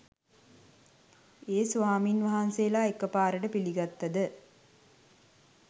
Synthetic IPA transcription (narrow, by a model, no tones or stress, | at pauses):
eːsuʋaːminʋɐɦanseːlaːekːɐpaːɾəʈəpiliɡɐt̪ːɐd̪ə